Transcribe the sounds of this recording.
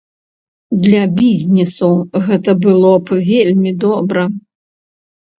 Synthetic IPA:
d̪lʲɐbʲizʲnʲɛsuɣɛt̪ɐbɨlˠɔpvʲelʲmʲid̪ɔbɾɐ

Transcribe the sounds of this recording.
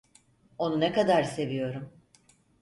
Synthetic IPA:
o̞nunɛkad̪aɾse̞vijo̞ɾum

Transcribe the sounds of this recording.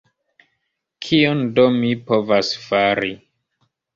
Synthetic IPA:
kʰiondomipovasfaɾi

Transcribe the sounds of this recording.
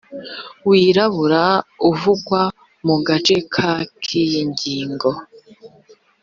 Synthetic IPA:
wiːɾaβuɾauvuɡwa | muɡat͡ʃe̞kʰakʰijiɲɟiːŋɡo̞

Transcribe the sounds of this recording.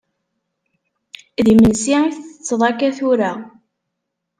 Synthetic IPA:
ðimənsiθət͡sːðˤɑkæθʊɾa

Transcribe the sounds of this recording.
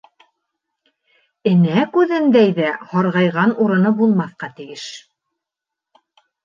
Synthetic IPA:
ɘ̆nækʉðɘnd̪æjðæhɑɾʁɑjʁɑnuɾɤ̆nɤbulˠmɑθqɑt̪ɘ̆jɘʃ

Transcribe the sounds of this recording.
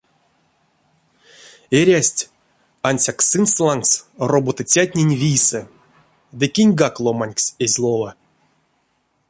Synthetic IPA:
eɾʲasʲtʲ | anʲsʲaksɨnslˠaŋksrobot̪ɨt͡sʲat̪̚ʲnʲenʲvʲijsɛ | d̪ɨkʲinʲɡaklˠomanʲksʲezʲlˠola

